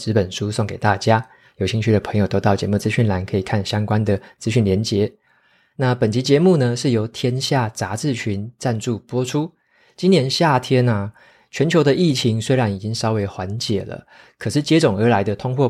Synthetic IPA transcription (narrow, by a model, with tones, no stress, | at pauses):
t͡sɻ̩˧˥pə˨˩nʂu˦˥so˥˩ŋke˨˩ɪt̪a˥˩t͡ɕja˥ | jo˨˩ʊɕi˥nt͡ɕʰy˥˩d̪ə˩pʰɤ˧˥ŋjo˨˩ʊt̪o˥ʊt̪ɑ˥˩ʊt͡ɕjɛ̰˧˥mu˥˩t͡sɹ̩˥˧ɕy˥˩nla˧˥nkʰɤ˧˥i˨˩kʰa˥˩nɕjɑ˥ŋkwa˥˦nd̪ə˨t͡sɹ̩˥ɕy˥˩nljɛ˧˥nt͡ɕjɛ˧˦ | na˥˨pə˨˩nt͡ɕi˧˥t͡ɕjɛ˧˦mu˥˩nə˨ʂɻ̩˥˩jo˧˥ʊt̪ʰjɛ˥nɕja˥˩t͡sa˧˥t͡sɹ̩˥˩t͡ɕʰy˧˦nt͡sa˥˧nʈ͡ʂu˥˩pwɔ˥ʈ͡ʂʰu˥ | t͡ɕi˥njɛ˧˥nɕja˥˩t̪ʰjɛ˥nə˨ | t͡ɕʰɥɛ˧˥nt͡ɕʰjo˧˥ʊd̪ə˧i˥˩t͡ɕʰi˧˥ŋswe˥ɪɻa˧˦ni˨˩t͡ɕi˦˥ŋsɑ˥ʊwe˧˥ɪxwa˧˦nt͡ɕjɛ˨˩lə̰˦ | kʰɤ˨˩ʂɻ̩˥˩t͡ɕjɛ˥t͡sʊ˨˩ŋə˞˧˥la˧˥ɪd̪ə˧t̪ʰʊ˥ŋxwɔ˥˩